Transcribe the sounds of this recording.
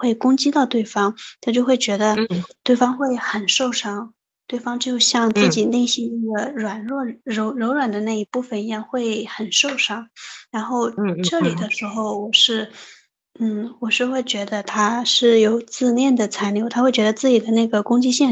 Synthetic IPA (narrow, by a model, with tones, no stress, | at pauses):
xwe˥˩ɪkʊ˥ŋt͡ɕi˥t̪ɑ˥˧ʊt̪we˥˩ɪfɑ˥ŋt̪ʰa˥˧t͡ɕjo˥˧xwe˥˩ɪt͡ɕɥɛ˧˥d̪ə˧t̪we˥˩ɪfɑ˥ŋxwe˥˩ɪxə˨˩nʂo˥˩ʊʂɑ˥ŋ | t̪we˥˩ɪfɑ˥ŋt͡ɕjʊɕjɑ˥˧ŋt͡sɹ̩˥˩t͡ɕi˨˩li˥˧ɕi˥˧i˥˩ɡə˩ɻwa˨˩nɻwɔ˥˩ɻo˧˥ʊɻo˧˥ʊɻwa˨˩nd̪ə˦na˥˩i˧˥pu˥˩fə˨˩njɛ˧˥xwe˥˩ɪxə˨˩nʂo˥˩ʊʂɑ˥ŋɻa˧˥nxo˥˧ʊʈ͡ʂɤ˥˩li˨˩d̪ə˦ʂɻ̩˧˥xo˥˧ʊwɔ˨˩ʂɻ̩˥˩ | n̩˥˩wɔ˨˩ʂɻ̩˥˧xwe˥˩ɪt͡ɕɥɛ˧˥d̪ə˧t̪ʰa˥ʂɻ̩˥˩jo˨˩ʊt͡sɹ̩˥˧njɛ˥˩nd̪ə˩t͡sʰa˧˥ɪnljo˧˥ʊt̪ʰa˥wt͡ɕɥɛ˧˥ə˧t͡sɹ̩˥˩t͡ɕi˨˩d̪ə˦na˥˩ɡə˩kʊ˥ŋt͡ɕi˥ɕjɛ˥˩